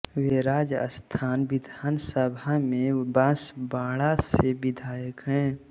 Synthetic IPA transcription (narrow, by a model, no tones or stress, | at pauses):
weɾaːd͡ʒə̰st̪ʰaːnbɪd̪ʱaːnsəbʱamẽbãːsbaːɽasebɪd̪ʱaːjəkɦɛ̃ː